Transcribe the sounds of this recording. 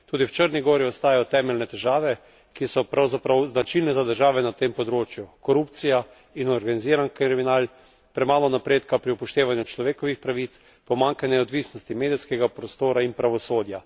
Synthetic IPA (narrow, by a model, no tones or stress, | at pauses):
t̪uːd̪iwt͡ʃəɾniɡoːɾiɔst̪aːjajɔt̪ɛːmɛlnɛt̪ɛʒaːʋɛ | kisɔpɾawzapɾawznat͡ʃilnɛzad̪əɾʒaːʋɛnat̪eːmpɔd̪ɾoːt͡ʃjukɔɾuːpt̪sija | inɔɾɡaniziːɾankɾiɾiminaːl | pɾɛmaːlɔnapɾeːt̪kapɾiupɔʃt̪eːʋanjut͡ʃlɔʋeːkɔʋixpɾaʋit̪s | pɔmaŋkanɛɔd̪ʋiːsnɔst̪imeːd̪iskɛɡapɾɔst̪oːɾainpɾaʋɔsoːd̪ja